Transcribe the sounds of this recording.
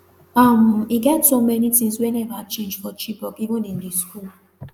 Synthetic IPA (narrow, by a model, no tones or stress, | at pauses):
am̩iɡɛtsomɛnitĩŋswɛnɛvat͡ʃẽnd͡ʒfɔt͡ʃibɔkiɡʊ̃dĩn̩diskul